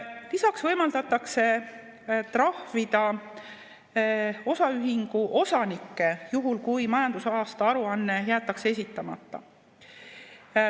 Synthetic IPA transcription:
lisɑksvɤjmɑld̪̥ɑt̪ːˑɑkse̞ | t̪rɑhvid̪ɑ | o̞sɑyɦiŋɡ̥uʔo̞sɑnikːe̞juɦulkujmɑjɑnd̪̥usɑːst̪ɑɑɾuɑnːe̞jæːt̪ːˑɑkseesit̪ːˑɑmɑ̰t̪ːˑɑ̰

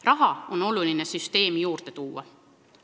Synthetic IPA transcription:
rɑɦɑo̞no̞luline̞syst̪e̞ːmijuːrt̪e̞t̪uːwɑ̰

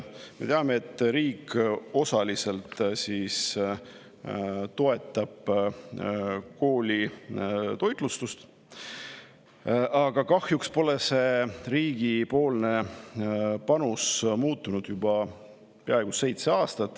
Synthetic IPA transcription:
me̞t̪eɑmeet̪ːˑɾiːko̞sɑlise̞lt̪ˑsiːs | t̪o̞e̞t̪ːˑɑb̥ | ko̞ːlʲi | t̪o̞jt̪ˑlust̪ust̪ | ɑɡ̥ɑkɑhjukspo̞le̞se̞riːɡ̥ipo̞ːlne̞ | pɑnusmuːt̪ːˑunud̪̥jub̥ɑ | peɑeɡ̥use̞jt̪seɑːst̪ɑt̪ːˑ

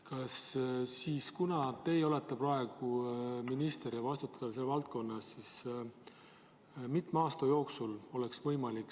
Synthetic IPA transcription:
kɑsːiːskunɑt̪e̞jo̞let̪ːˑeprɑe̞ɡ̥uminist̪e̞ɾjɑvɑst̪ut̪ːˑɑ̥d̪̥ɑs̬elvɑlt̪̚ko̞nːɑsːis | mit̪ˑmeɑːst̪ɑjo̞ːksulo̞le̞ksvɤjmɑlikː

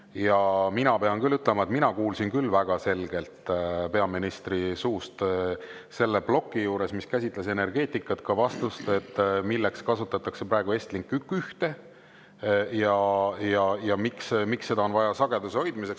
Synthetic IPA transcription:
jɑminɑpe̞ɑnkylːyt̪ːˑle̞mɑe̞t̪minɑkuːlsinkylːvæɡ̥ɑse̞lɡ̥e̞lt̪ˑpe̞ɑminist̪risuːst̪ | se̞lːe̞b̥lo̞kːijuːɾe̞smiskæsʲit̪ˑlese̞ne̞rɡ̥e̞ːt̪ikːˑɑt̪kɑvɑst̪ust̪e̞t̪ːˑmilːe̞kskɑsut̪ːˑɑt̪ːˑɑkse̞pɾɑeɡue̞sʲt̪liŋkːˑykːˑyht̪e̞ | jɑjɑjɑmiksmiksːe̞d̪̥ɑo̞nvɑjɑsɑɡ̥e̞d̪useho̞jd̪mise̞ks

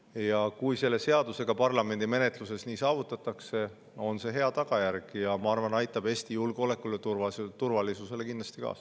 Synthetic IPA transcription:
jɑkujse̞lːe̞se̞ɑd̪use̞ɡ̥ɑpɑrlɑme̞nd̪̥ime̞ne̞t̪ˑluse̞sniːsɑːvut̪ːˑɑt̪ːˑɑkse̞ | o̞nse̞ɦe̞ɑt̪ɑɡ̥ɑjæɾɡ̥jɑmɑɑrvɑnɑjt̪ːˑɑb̥e̞ːst̪ijulɡ̥eo̞le̞kːˑulet̪urvɑt̪urvɑlisuse̞le̞kinlɑ̥st̪ikɑ̰ːs

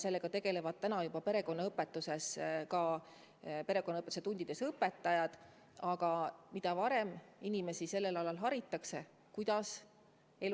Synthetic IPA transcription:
se̞lːeɡ̥ɑt̪e̞ɡ̥e̞le̞vɑd̪̥̚t̪ænɑjubɑpe̞ɾe̞ko̞nːɑɤpːˑe̞t̪ːˑuse̞skɑ | pe̞ɾe̞ko̞nːɑɤpːˑet̪u̥set̪und̪̥id̪̥e̞sɤpːe̞t̪ːˑɑjɑd̪̥ | ɑɡ̥ɑmid̪̥ɑvɑɾe̞minimesise̞lːe̞lɑlɑlɦɑɾit̪ːˑɑkse̞ | kujd̪̥ɑs | el

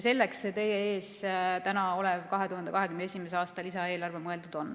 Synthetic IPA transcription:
se̞lːeksset̪e̞jee̞ːst̪ænɑo̞lɛvkɑɦet̪uhɑnd̪ekɑɦe̞kymneesʲimes̬eɑːst̪ɑlisɑe̞ːlɑrvemɤe̞ld̪̥ud̪̥o̞n

